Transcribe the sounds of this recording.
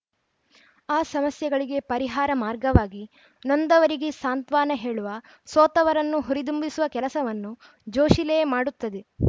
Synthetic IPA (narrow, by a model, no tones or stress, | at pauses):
aːsɐmɐsjɐɡɐɭiɡe̞pɐɾiɦaːɾɐmaːɾɡɐʋaːɡi | nond̪ɐʋɐɾiɡesaːnt̪ʋaːnɐɦeːɭuʋɐ | soːt̪ɐʋɐɾɐnːuɦuɾid̪umbisuʋɐkɛlɐsɐʋɐnːu | d͡ʒoːʃilɛjɐmaːɽut̪ːɐd̪e̞